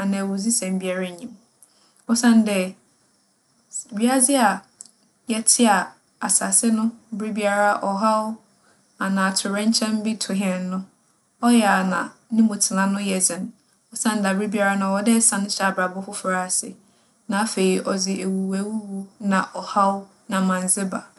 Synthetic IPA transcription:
a˨nã˨wʊ˨zi˦sɛ̃˨m˦bi˦a˨ɾa˦ɲĩ˨m | ɔ˦sã˦n˦dɛ˦˨ | bi˦a˦a˦d͡zɪ˦a˨ | jɛ˦tʰɪ˦a˨ | a˨sa˨sɪ˦nʊ̃˦bɾi˦bi˦a˨ɾa˦ʔɔ˨ɦa˦wʊ˦ | a˨nã˨tʰʊ˨ɾɛ̃˦ɲ˦t͡ɕʰɛ̃˦m˦bi˦tʰʊ˨ɦi˦ɛ˨n˦nʊ̃˦ | ɔ˦jɛ˨a˨nã˨nĩ˦mõ˨tʰɪ˨nã˨nʊ̃˦jɛ˨d͡zɪ̃˨n | ɔ˦sã˦n˦da˨bɾi˦bi˦a˨ɾa˦nʊ̃˦˨ɔ˨dɛ˦sã˨nʊ̃˦t͡ɕʰa˨bɾa˨bʊ˦fʊ˦fɾa˨sɪ̰˨ | nã˨˦a˦fe˨i˦ʔɔ˨d͡zɪ˨ʔe˨wu˨wæ˨wu˦wu˦nã˨ʔɔ˨ha˦wʊ˦ | nã˨mã˨n˨zɪ˦ba˨

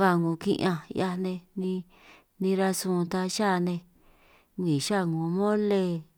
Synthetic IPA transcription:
βa˧˨ŋũ˨˧kḭ̃˧ʔã˧ja˧nẽ˧nĩ˧ | nĩ˧ɾa˧sũ˧t̪a˧ʃa˦˨˧nẽ˧ | ɡĩ˨ʃa˦˨ŋũ˨˧mõ˦le˧

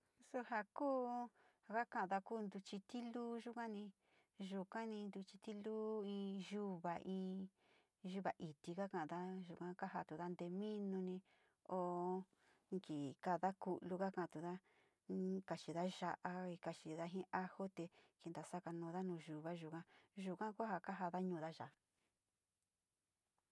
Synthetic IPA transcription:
su˧ɦa˧kuː˦˨ | ka˦kã˧ʔða˧kuː˦˧nd̪u˧t͡ʃi˧t̪i˦luː˦ʒu˦kã˦nĩ˧ | ʒu˧kã˦nĩ˧nd̪u˧t͡ʃi˧t̪i˦luː˦ĩː˧ʒu˦βa˨ʔĩː˧ | ʒu˧βa˨ʔi˨t̪i˧ka˦kã˧˨ʔða˦ʒu˨kã˧ka˦ɦa˧t̪u˨ða˦nd̪e˧mĩ˦nũ˧nĩ˧ | o˧ | ŋki˨ka˧ða˦ku˧ʔlu˧ka˦kã˧ã˧t̪u˨ða˦ | ka˧˨t͡ʃi˨ða˦ʒa˧ʔa˧i˧ka˧˨t͡ʃi˧˨ða˧˦ɦĩ˦ʔa˦ho˦t̪e˧ki˧nd̪a˨sa˦ka˧nũː˧ða˦nũː˧ʒu˨βa˦ʒu˨kã˦ʒu˧kã˦kʷha˧ka˦ɦa˧ða˦ɲũː˧ða˦ʒa˨˧

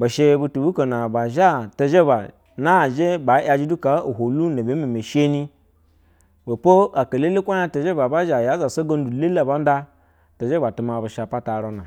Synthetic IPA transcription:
ba˨ʃe˦bu˨tu˨bu˦ko˨na˨ba˨ʒa˦ta˨ʒe˦ba˨ | na˦˨ʒe˦ba˨˦jʲa˨d͡ʒi˦du˦ka˨o˨ɦo˨lu˦na˨be˨˦me˨me˨ʃe˦ni˦ | bo˨po˦a˨ka˨le˦le˦kʷa˦ja˦ta˨ʒe˦ba˨ba˦ʒa˨ja˦za˨so˦ɡo˦n˦du˨le˦la˦˨ba˦n˦da˦ | ta˨ʒe˦ba˨tu˨ma˨ba˨ʃa˨pa˦ta˨ɾo˨na˨

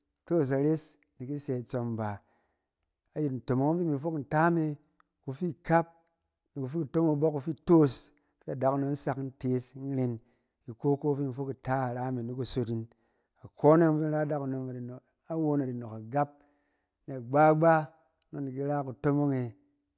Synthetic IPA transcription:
to˦˨s̬a˨ɾe˦s | ni˨ki˦se˧˨t͡so˧mba˨ | a˨˦ji˨tn̩˨to˨mo˨˦ŋ˦fi˦mi˨˧fo˦kn̩˨ta˦me˧ | ku˧fi˦ka˦p̚ | ni˨ku˨fi˦ku˨to˦mo˦bo˦kːu˧fi˦˨to˦s | fi˦a˨da˨˦ku˨no˨m̩˦sa˨kn̩˦te˦sn˦ɾe˧n | i˨ko˦ko˦fi˦mi˨fo˦ki˨ta˦a˨ɾa˦me˨ni˦ku˨so˧ti˦n | a˨ko˦na˦ŋ˦fi˦n̩˦ɾa˦da˦ku˨no˧ma˨di˨no˨k | a˦wo˧˦na˨di˨no˨ka˨ɡa˦p̚ | ni˨a˨ɡ͡ba˦ɡ͡ba˦ | no˦ni˨k̬i˦ɾa˦ku˨to˦mo˦ŋe˧

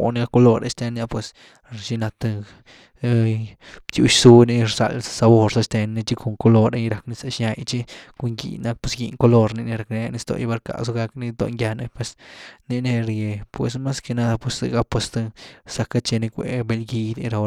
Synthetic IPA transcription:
o˨ne˧ɡa˦ko˧lo˧ɾe˧st̪e˧nːja˧pwe˧s | ʃi˧na˧t̪a˧ | t̪jṵ˧ʃsu˦ni˧˦ɾsa̰˧lsa˧bo˧ɾsa˧st̪e˧nːi˧t͡ʃi˦ko˧˨ŋko˧lo˧ɾe˦˧ɾa˧kni˧sa˧ʃɲa˧jt͡ʃi˦ko˧ŋɡḭ˧na˧˦k̚pe˧sɡḭ˧ŋko˧lo˧ɾni˧ni˧ɾa˧kne˧a˧ni˧˦st̪o̰˧ji˧ba˧ɾka̰˧so˧˦ɡa˧kni˧t̪o̰˧ŋɡja˧ne˧pwe˧sni˧ne˧ɾje˨pwe˨sma˦ske˧na˦d̪a˧pwe˧ssḛ˧ɡa˦pwe˧st̪ɨ˧sa˧ka˦t͡ʃe˧ni˧kʷḛ˨be˧lɡi˧d̪i˧ɾa˧

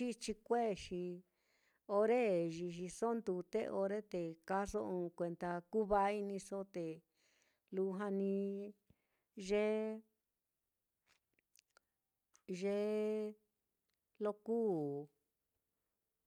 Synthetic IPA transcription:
t͡ʃi˦t͡ʃi˧kʷe˦˨ʃi˧ | o˧ɾe˦ʒi˧ʃi˧so˦nd̪u˧t̪ḛ˦˧ʔo˧ɾe˦t̪e˨ka˦ʂo˦ũ˧kʷe˧nt̪a˧ku˦βa˦i˧nĩ˧so˦t̪e˨ | lu˧˦ɦã˧nĩ˧ | ʒe˦ | ʒe˧˦ | lo˧kuː˦˨

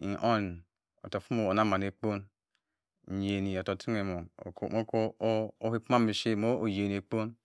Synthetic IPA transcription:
i˨ʔo˦˨n˨ | o̰˨to˨fu˦mo˨o˨na˦ma˨n˨e˨k͡po˦n̩˨ | je˨ni˨o˨to˨ti˦ŋe˨mo˨o̰˨ko̰˨mo˦ko˦o˦hi˦pu˦ma˦mi˨ʃe˦˨mo˦o˨je˨n˨e˨k͡po˦n

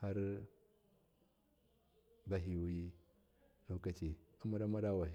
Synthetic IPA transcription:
ha˦ɾ | ba˨ɦi˨wu˦i˦ | la˨˦ka˦t͡ʃi˨a˨˦ma˦ɾa˦ma˦ɾa˦wa˨

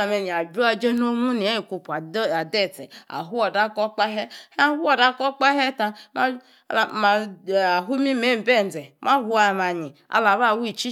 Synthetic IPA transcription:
a˨me˨ni˨a˨bu˦a˧d͡ʒe˦no˦mu˦ni˨a˦i˨ku˨pu˨a˨˦a˨dɛ˦˨t͡sɛ̰˨a̰˨ɦu˦ɔ˨da˦kɔ˦k͡pa˦ɦɛ˦ha˦hu˦ɔ˨da˦kɔ˦k͡pa˦ɦɛ˦ta˧ma˦˨ | ma˨a˨ɦu˦mi˦me˦˨m̩˨bɛ˦˨n̩˨d͡zɛ˨mʔa˦ɦu˦a˨ma˨ɲi˨ | a̰˨la˨βa˦˨wu˦i˨t͡ʃi˦

